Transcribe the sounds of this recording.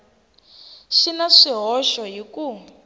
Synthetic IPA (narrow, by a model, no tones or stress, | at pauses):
ʃinaʂiɦɔʃɔɦiku